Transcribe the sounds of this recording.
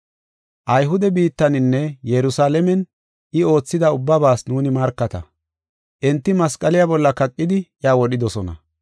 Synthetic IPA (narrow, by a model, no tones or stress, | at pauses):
ʔɐjɦʊd̪ɛbiːt̪ːɐnɪnːɛjɛɾʊsaːlɛmɛn | ʔɪo̞ːt͡sːɪd̪ɐʊbːɐbaːsnuːnɪmɐɾkːɐt̪ɐ̰ | ʔɛnt̪ːɪmɐskʼɐlɪjabɔlːɐkɐkʼːɪd̪ɪʔjaːwɔɗɪd̪ɔsɔnɐ̰